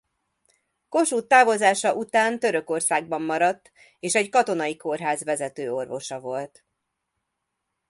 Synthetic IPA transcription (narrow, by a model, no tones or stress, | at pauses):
ko̞ʃuːt̪ːaːvo̞zaːʃɒʔut̪aːnt̪ø̞ɾø̞ko̞rsaːɡ̚bɒmːɒɾɒt̪ː | eːʃɛɟkɒt̪o̞nɒjiko̞rɦaːzʋɛzɛt̪øːo̞rvo̞ʃɒvo̞lt̪